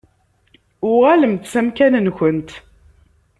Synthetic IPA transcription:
ʊʁæləmt̪sæmkænənçənt̪

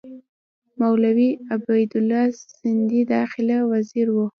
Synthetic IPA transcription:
mawlawiabajd̪ʊlːɑsɪnd̪id̪ɑxɪlawaziɾwu

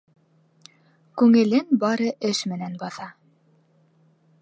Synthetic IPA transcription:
kʉŋɘ̆lɘnbɑɾɤʔɘʃmɘ̆nænbɑθɑ

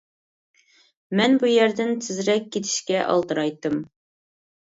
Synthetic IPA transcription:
mɛnbujɛɾd̪ɪnt̪ʰɪzɾɛkʲʰːet̪ʰɪ̥ʃkʲɛʔɑ̰lˠt̪ɨɾɑjt̪ːɨm

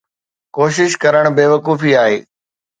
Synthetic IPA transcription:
koːʃɪʃkɐɾəɽ̃beːʋɐkuːfiaːɦeː

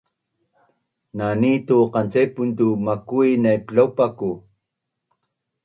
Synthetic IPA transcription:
nanit̪uqɑnt͡sejpunt̪̬umakuinajplawpaku

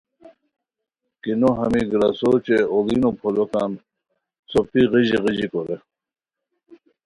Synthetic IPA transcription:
kinoɦɐmiɡɾasot͡ɕeolinopʰolokan | sopiʁiʑiʁid͡ʑikoɾe

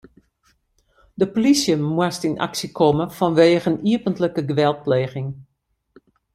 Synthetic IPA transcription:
dəpolisjəmwəstina̰ksikʰɔməfɔnʋeːɣəniəpəntləkəɡəʋɛlˠt̚pleːxɪŋ

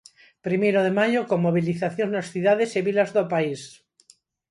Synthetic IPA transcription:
pɾimejɾoðemaʎokoŋmoβ̞iliθaθjoŋnosθuðaðeseβilazðopais

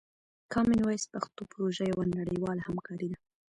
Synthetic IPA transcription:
kʰɑmɪnwajspaxt̪opʊɾoʒajawanaɽəjwɑlahamkʰɑɾid̪a

